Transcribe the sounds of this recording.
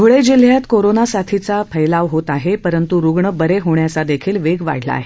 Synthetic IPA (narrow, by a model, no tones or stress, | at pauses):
ɡʱuɭed͡ʑil̤ːjat̪koɾonasat̪ʰit͡sapʰəjlaʋɦot̪aɦepəɾənt̪uɾuɡɳəbəɾeɦoɳjat͡sad̪ekʰiːlʋeɡʋa̰ɽ̤la̰ːɦe